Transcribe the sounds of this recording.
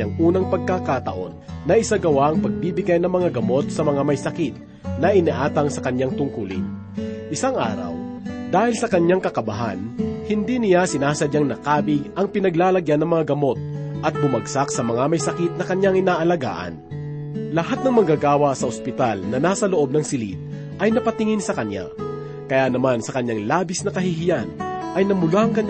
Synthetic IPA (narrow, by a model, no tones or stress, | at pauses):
aŋʔuːnɐŋpɐɡ̚kakat̪ɐʔo̞̰nːɐʔɪsaɡɐwaʔɐŋpɐɡ̚biːbɪɡajnɐŋmɐŋaɡɐmo̞t̪̚sɐmɐŋamɐjsɐkit̪̚ | nɐʔɪniʔaːt̪ɐŋsɐkɐɲːaŋt̪ʊŋkulɪ̰n | ʔɪsaŋʔa̰ːɾɐ̰wd̪aːhɪlsɐkɐɲaŋkɐkɐbɐɦa̰nhɪnd̪iːnɪjasɪnaːsɐd̪ɐŋnɐkaːbɪɡʔɐŋpɪnɐɡlaːlɐɡjanɐŋmɐŋaɡɐmo̞t̪̚ʔɐt̪̚bʊmɐɡsaksɐmɐŋamɐjsɐkit̪̚nɐkɐɲjaŋʔɪnaːʔɐlɐɡa̰ːʔɐ̰n | lɐɦat̪̚nɐŋmɐɡaɡaːwɐsɐospɪt̪alnɐnaːsɐloʔo̞b̚nɐŋsɪlḭt̪̚ | ʔɐjnɐpɐt̪ɪŋɪnsɐkɐɲːa̰ | kɐjanɐmansɐkɐɲːaŋlaːbɪsnɐkɐɦihɪjanʔɐjnɐmʊlaʔɐŋkɐɲ